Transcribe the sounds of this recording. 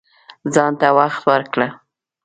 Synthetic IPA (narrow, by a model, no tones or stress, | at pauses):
zɑnt̪awaxt̪wəɾkɽə